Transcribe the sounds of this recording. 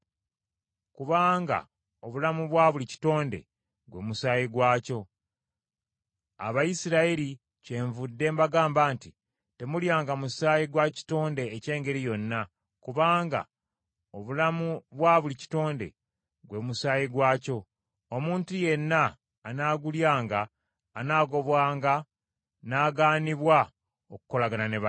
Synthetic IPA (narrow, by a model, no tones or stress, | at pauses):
kuβaːŋɡa̰ | o̞βulamuβwaːβulici̥to̞ːnde̞̰ | ɡwe̞̰ːmusaːjiɡwaːco̞ | a̰βajisiɾaeɾi | ce̞ːɱvudːe̞mbaɡaːmbaːnti | te̞muljaːŋɡamusaːjiɡwaci̥to̞ːnde̞ːce̞ːŋɡe̞ɾijo̞nːa | kuβaːŋɡa̰ | o̞βulamuβwaːβulici̥to̞ːnde̞̰ | ɡwe̞ːmusaːjiɡwaːco̞ | omuːntuje̞nːaː | naːɡuljaːŋɡaː | naːɡo̞βwaːŋɡa | naːɡaːniβwa | oku̥ko̞laɡananeβa